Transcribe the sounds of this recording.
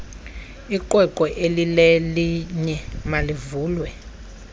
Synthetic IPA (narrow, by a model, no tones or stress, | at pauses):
iǃʼwɛkʼɔʔelilɛliɲɛmalivuːlwɛ